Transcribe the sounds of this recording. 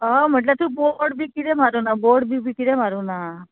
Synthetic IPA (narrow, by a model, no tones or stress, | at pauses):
əm̤əʈ̬ləb̚t̪ũboɽbikiɾemaɾunaboɽbʱibʱikiɾemaɾuna